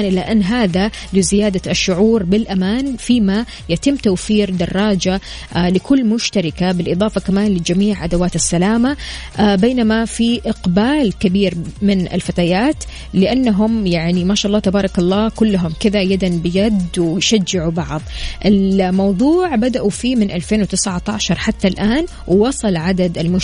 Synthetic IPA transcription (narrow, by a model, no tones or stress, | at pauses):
anʔɪlːaʔanːɦaːða | lɪzɪjaːd̪aʃːʊʕuːɾbɪlʔamaːnfiːma | jat̪ɪmːt̪awfiːɾd̪ɑrˤːɑːd͡ʒa | lɪkʊlːmʊʃt̪aɾˤɪkabɪlʔɨðˤɑːfɑkamaːnlɪd͡ʒamiːʕʔad̪awaːt̪ɪsːalaːma | beːnamafiʔɪqbaːlkabiːɾmɪnɪ̰lfat̪aːjaːt̪ | lɪʔanːaɦʊmjaʕnimaːʃaːʔɑlːɑːt̪abɑːɾˤɑkɑlˤːɑːkʊlːaɦʊmkɪðajad̪anbɪjad̪wɪjʃad͡ʒːɪʕubɑʕðˤʔɪlmɑwðˤuːʕbad̪aʔufiːmɪnʔalfeːnwɪt̪ɪsʕat̪ɑːʃɑɾˤħat̪ːalʔaːn | wwɑsˤɑlʕad̪ad̪ɪlmʊ